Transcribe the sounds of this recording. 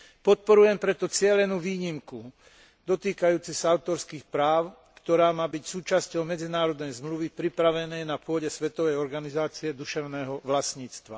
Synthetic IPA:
pɔt̪̚pɔɾujɛmpɾɛt̪ɔt͡sɪɛlɛnuːʋiːɲimku | d̪ɔt̪iːkajuːt͡sɛsaaʊt̪ɔɾskiːxpɾaːʊ | kt̪ɔɾaːmaːbicsuːt͡ʃascɔʊmɛd͡zinaːɾɔd̪nɛjzmluʋipɾipɾaʋɛnɛjnapʊɔɟɛsʋɛt̪ɔʋɛjɔɾɡanizaːt͡siɛd̪uʃɛʊnɛːɦɔʋlasɲiːt͡st̪ʋa̰

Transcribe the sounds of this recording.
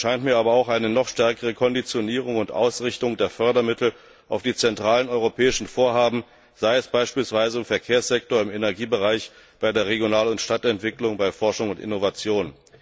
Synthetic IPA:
ʃaɪntmiːɐʔaːbɐaʊxʔaɪnənɔχʃtɛɐkəʁ̞əkʰɔndit͡sjoniːʁ̞ʊŋʊntʔa̰ʊsʁɪçtʊŋdeːɐfœɐdɐmɪtl̩ | ʔaʊfd̥iːt͡sɛntʁ̥aːlənɔʏʁopʰɛːɪʃn̩foːɐɦaːbm̩ | z̥aɪɛsb̥aɪʃpiːlsv̥aɪzəɪmfɛɐkʰeːɐsz̥ɛk̚toːɐɪmenɛɐɡiːbəʁaɪç | b̥aɪdeːɐʁ̞eɡjonaːlʊntʃtatɛntv̥ɪklʊŋbaɪfɔɐʃʊŋʊntɪ̰novat͡sjoːn

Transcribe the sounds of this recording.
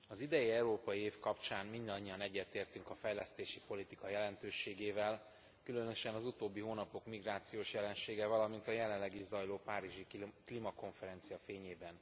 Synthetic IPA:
ɒzid̪ɛjiɛuɾoːpɒjieːfkɒpt͡ʃaːnmind̪ɒɲːiɒnɛɟːɛt̪eːrt̪yŋkɒfɛjlɛst̪eːʃipo̞lit̪ikɒjɛlɛnt̪øːʃeːɡeːvɛl | kylø̞nø̞ʃɛnɒzut̪oːbːiɦoːnɒpo̞kmiɡraːt̪sijoːʃjɛlɛnʃeːɡɛvɒlɒmint̪ɒjɛlɛnlːɛɡiʒzɒjloːpaːɾiʒiklimɒko̞ɱfɛɾɛnt̪sijɒfeːɲeːbɛn

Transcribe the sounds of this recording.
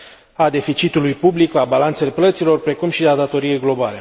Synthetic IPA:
ad̪e̞fit͡ʃit̪ulujpublikabalant̪se̞le̞plət̪silo̞rpɾe̞kumʃiad̪at̪o̞ɾije̞jɡlo̞bale̞

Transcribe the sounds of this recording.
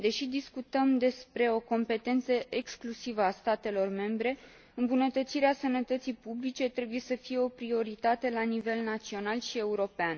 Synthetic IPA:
d̪e̞ʃid̪iskut̪əmd̪e̞spɾe̞o̞ko̞mpe̞t̪e̞nt̪səʔeksklusivəast̪at̪e̞lo̞rme̞mbɾe̞ | ɨmbunət̪ət̪siɾeasənət̪ət̪sijpublit͡ʃe̞t̪ɾe̞buje̞səfije̞o̞pɾio̞ɾit̪at̪e̞lanive̞lnat̪sio̞nalʃie̞uɾo̞pean

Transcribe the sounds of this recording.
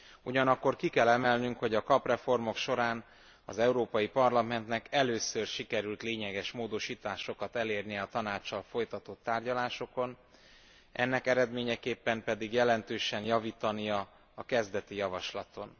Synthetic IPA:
uɟɒnɒkːo̞rkikɛlɛmɛlnyŋkho̞ɟɒkɒprɛfo̞rmo̞kʃo̞ɾaːn | ɒzɛuɾoːpɒjipɒrlɒmɛnt̪nɛkɛløːsørʃikɛɾylt̪leːɲɛɡɛʃmoːd̪o̞ʃiːt̪aːʃo̞kɒt̪ɛleːrnijɛːt̪ɒnaːt͡ʃːɒlfo̞jt̪ɒt̪ot̪ːaːrɟɒlaːʃo̞ko̞n | ɛ̰nːɛkɛɾɛd̪meːɲɛkeːpːɛmpɛd̪iɡjɛlɛnt̪øːʃɛnjɒviːt̪ɒnijɒ | ɒkɛzd̪ɛt̪ijɒvɒʃlɒt̪o̞n

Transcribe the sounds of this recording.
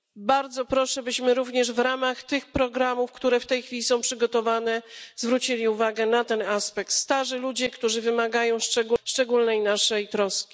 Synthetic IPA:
baɾd̪zɔpɾɔʂɛbɘɕmɘɾuvɲɛʐvɾamaxt̪ɘxpɾɔɡɾamufkt̪uɾɛft̪ɛjxfʲilʲisɔ̃w̃pʂɘɡɔt̪ɔvanɛzvɾut͡ɕilʲiuvaɡɛnat̪ɛnaspɛk̚t̪st̪aʐɘlud͡ʑɛkt̪uʐɘvɘmaɡajɔ̃w̃ʂt͡ʂɛɡuʂt͡ʂɛɡulnɛjnaʂɛjt̪ɾɔskʲi̥

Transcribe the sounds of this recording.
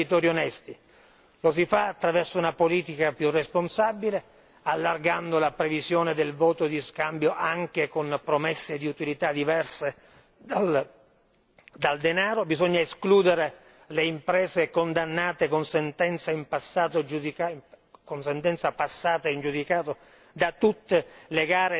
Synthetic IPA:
it̪ɔːɾjionɛst̪i | los̬ifaːt̪ːɾavɛrsounapoliːt̪ikapjuresponsabile | alːarɡand̪olapɾevizjoːned̪elvɔːt̪od̪iskambjoʔaŋk̟ekonpɾomesːed̪iut̪ilit̪ad̪ivɛrse | d̪al | d̪ald̪enaːɾobizoɲːaeskluːd̪eɾe | leimpɾɛːzekond̪anːaːt̪ekonsent̪ɛnt̪saimpasːaːt̪od͡ʒud̪ika | konsent̪ɛnt̪sapasːaːt̪aind͡ʒud̪ikaːt̪o | d̪at̪ut̪ːeleɡaːɾe

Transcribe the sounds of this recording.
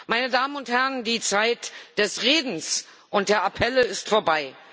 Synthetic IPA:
maɪnədaːmənʊnthɛʁəndiːt͡saɪtd̥ɛsʁeːdn̩s | ʔʊnt̚d̥eːɐʔapʰɛləɪstfoːɐbaɪ

